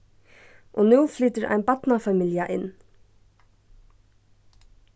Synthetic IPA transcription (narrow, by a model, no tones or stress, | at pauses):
ʔɔnuːfliːt̪ɪɾʔa̰jnbat̪nafamɪljaʔɪnː